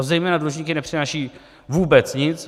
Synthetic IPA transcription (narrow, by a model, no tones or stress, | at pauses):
zɛjmɛːnaduloʒɲiːkɪnɛpr̥ɪnaːʃiː | vuːbɛt͡sɲɪt͡s